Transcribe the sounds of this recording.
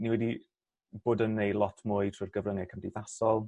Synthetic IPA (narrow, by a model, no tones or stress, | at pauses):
niwɛdi | b̥oːdənːejlˠɔtʰmʊːɨtʰrɪrɡəvrəŋɛkʰəmdiðasɔlˠ